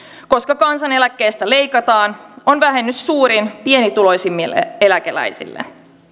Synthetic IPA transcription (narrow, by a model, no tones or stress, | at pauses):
ko̞skɑkɑnsɑne̞lækːe̞ːst̪æle̞jkɑt̪ɑːnonʋæɦe̞nːyssuːɾinpie̞nit̪ulo̞jsimːile̞lækelæ̰jsḭlːḛ